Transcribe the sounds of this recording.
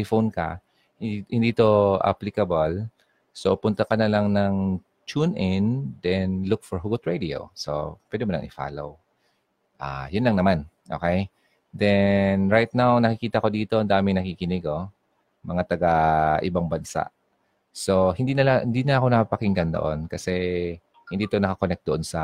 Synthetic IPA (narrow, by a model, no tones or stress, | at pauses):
jfownkɐ̰ | hɪ̃nd̪iːt̪oʔa̰plɪkɐbɐl | sopʊnt̪ɐkɐnɐlaŋnɐŋ | t͡ʃunɪnd̪ɛnlʊk̚fɔɹɦuɡʊt̪ɹed̪io̰wso̰pwɛd̪ɛmɐnɐ̰ŋʔɪ̰fa̰ːlo̰w | ʔa̰jʊnlɐŋnɐman | ʔoːkɛj | d̪ɛnɹajt̪̚nawnɐkɪkiːt̪ɐko̞d̪iːt̪oʔɐnd̪aːmɪŋnɐkikɪnɪɡo | mɐŋat̪ɐɡaʔɪ̰baŋbɐnsa̰ʔ | sohɪnd̪innd̪inɐʔɐko̞nɐkapɐkɪŋɡɐnd̪o̰ʔonkɐsɛ | hɪnd̪iːt̪onɐkakonɛk̚t̪̚d̪oʔonsɐ